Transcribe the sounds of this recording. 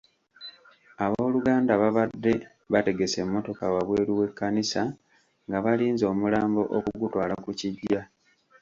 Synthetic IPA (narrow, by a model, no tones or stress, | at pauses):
aβo̞ːluɡaːndaβaβadːe̞ | βate̞ɡe̞se̞mːo̞to̞kawaβwe̞ːɾuwe̞kːanisa | ŋɡaβaliːnzo̞ːmulaːmbo̞ʔokuɡutwaːlakuciɟːa